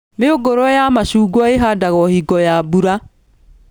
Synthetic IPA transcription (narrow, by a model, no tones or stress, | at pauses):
meoɡoɾɔjamaʃuːɡwɔeɦadaɣɔhiɡɔjabuɾa